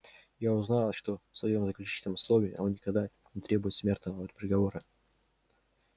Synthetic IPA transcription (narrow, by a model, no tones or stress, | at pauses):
jaʊznalˠʂt̪o̞fsvɐjo̞mzəklʲʉt͡ɕi̥t̪ʲlnəmʊslˠovʲɪːɐnonnʲɪkɐɡd̪a | nʲɪt̪ɾʲe̞bʊjɪt̪smʲe̞rt̪nəvot̪pʲɾʲɪɡɐvo̞ɾɨ